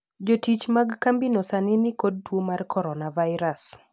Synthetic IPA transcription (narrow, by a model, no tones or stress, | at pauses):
d͡ʒotit͡ʃmaɡkambinosanɪnɪkod̚twomarkɔɾɔnavajɾas